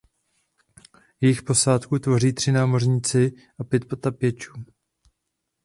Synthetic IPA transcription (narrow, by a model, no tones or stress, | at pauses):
jɛjɪxpo̞saːt̪kut̪vo̞riːt̪r̝̥ɪnaːmo̞rɲɪt͡sɪ | ʔapjɛt̪̚po̞t̪apjɛt͡ʃuː